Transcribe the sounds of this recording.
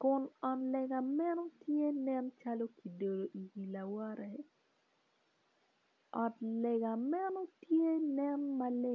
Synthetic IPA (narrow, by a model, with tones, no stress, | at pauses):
kʊ˨nɔ˨tlɛ˨ɡa˨mɛ˦no˦tje˦nɛ˦nt͡ʃa˦lo˦ki˨do˨do˨ʔi˨ɡi˨la˨wa˦ɾɛ˨ | ɔ˨tlɛ˨ɡa˨mɛ˦no˦tje˦nɛ˦nma˦le˦